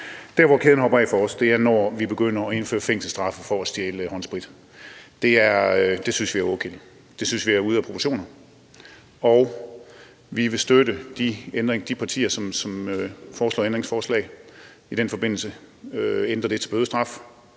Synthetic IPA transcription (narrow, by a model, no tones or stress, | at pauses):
d̥æɐʋɒkʰe̝ðˠn̩hɒ̽bɐɛ̰ɪfɒɒ̽sd̥e̝æɐnɒʋib̥e̝ɡ̥øn̰ɐɒ̽e̝nfø̰ːɐfeŋ̰sl̩sd̥ʁɑ̈fɐfɒ̽æsd̥jeːləhɒ̽nsb̥ʁid̥ | d̥e̝æɐd̥e̝synsʋiæɐɔ̽kʰḛli | d̥e̝synsʋiæɐuð̞ˠæpʰʁopʰoɕo̝̰ːnɐ | ɒʊ | ʋiʋe̝sd̥øɾəd̥iend̥ʁeŋd̥ipʰɑ̈t͡sʰḭːɐsɒ̽msɒ̽mfɒːslɒ̰ːend̥ʁeŋsfɒːslɛ̰ɪ | idɾ̥enfɒ̽b̥e̝n̰l̩səøend̥ʁɐd̥e̝t͡sʰe̝b̥øðˠsd̥ʁɑ̈f